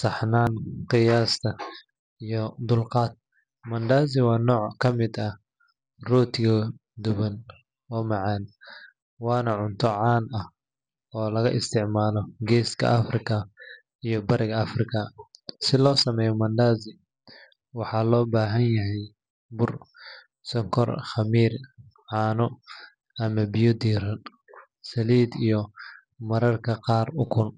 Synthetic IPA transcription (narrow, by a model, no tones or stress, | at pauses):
sɑħnaːnqɪjaːst̪ʰɐ | ijɔd̪ʊlqɑːd̪̚ | mɐnd̪aːzɪwɑːnɔːʕkʰɐmɪd̪ɐ | rɔːt̪ʰɪɣɐ | d̪ʊβɐn | wɑːmɑʕɑn | wɑːnɐʕʊnt̪ʰɔʕɑːnɐh | ɔːlɐɣɐʔɪst̪ʰɪʕmaːlɔɡɛːskʰɐ̰ʔɐfrɪkʰɐ | ijɔbɐɾʔɪɣɐɐfrɪkʰɐsɪlɔːsɐmɛːjɔmɐnd̪aːzɪ | wɑħɑlɔːbaːɦɐnjɐɦɛj | bʊr | sɔŋkʰɔ̰rχɐmiːr | ʕɑːnɔ | ʔɐmɐbɪjɔd̪iːrɐn | sɐliːd̪ijɔ | mɐɾɐrkʰɐqɑːrʊkʰʊn